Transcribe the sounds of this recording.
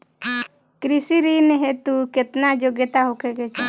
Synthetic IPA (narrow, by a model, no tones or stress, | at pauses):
kɾisiɾineɦet̪uket̪nad͡ʒoɡjət̪aɦokʰeɡet͡ʃʰa